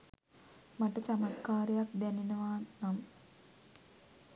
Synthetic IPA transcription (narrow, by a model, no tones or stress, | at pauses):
mɐʈət͡ɕɐmɐkːaːɾɐjak̚d̪ɛninɐʋaːnɐm